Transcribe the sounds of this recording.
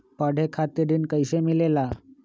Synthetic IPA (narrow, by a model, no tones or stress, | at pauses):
pəɽ̤ʱekʰat̪iɾiːnkəjɕemilela